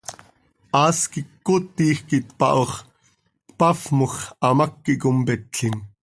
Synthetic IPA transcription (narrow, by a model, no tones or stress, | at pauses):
ʔɑːskikːot̪ːiːxkit̪pɑ̰ʔoχ | t̪pɑfmoxɑmɐkːiʔkompɛt̪ɬim